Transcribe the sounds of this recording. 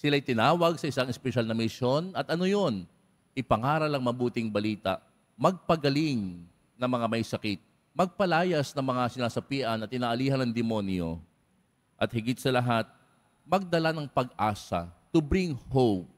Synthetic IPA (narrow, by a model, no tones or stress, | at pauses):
sɪlajt̪ɪnaːwɐɡsɐʔɪsaŋɛspɛʃalnɐmɪʃo̞nɐt̪ʔɐno̞jo̞n | ʔɪpɐŋaːɾɐlɐŋmɐbuːt̪ɪŋbɐliːt̪ɐ̰ʔ | mɐɡ̚pɐɡɐlɪŋ | nɐŋmɐŋamɐjsɐkɪt̪̚ | mɐɡ̚pɐlaːjɐsnɐŋmɐŋasɪnaːsɐpiːʔɐnɐt̪̚ɪnaːʔɐliːhɐnɐŋd̪ɪmo̞njo̞̰ | ʔɐt̪̚hɪɡɪt̪sɐlɐɦat̪̚ | mɐɡ̚d̪ɐlanɐŋpɐɡ̚ʔaːsɐ̰t̪ʊbɾiŋhop̚